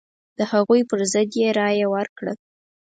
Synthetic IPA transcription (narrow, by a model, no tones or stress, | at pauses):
d̪̥əhaɣujpəɾzəd̪jeɾɑjawəɾkɽə